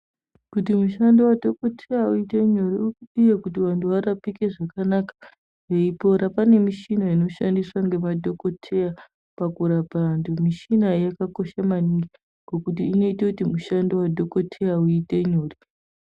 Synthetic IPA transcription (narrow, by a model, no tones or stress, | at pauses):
kut̬imuʃandowadʱo̞ko̞tʰejauiteɲoɾiukuɗijakutiʋantuʋaɾapike̞ʐakanakḁ | jeipo̞ɾapane̞miʃinaino̞ʃandiswaŋɡe̞madʱo̞ko̞tʰe̞ja | pakuɾapandumiʃinajakako̞ʃamaniŋɡi | kokutiːno̞itakutimuʃandowadʱo̞ko̞tʰe̞jauiteɲoːri